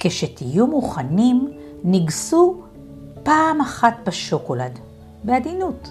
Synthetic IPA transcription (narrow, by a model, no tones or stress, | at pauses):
keʃetijumuχanim | niɡsu | paːmaχat̪beʃo̞kolad | bead̪inut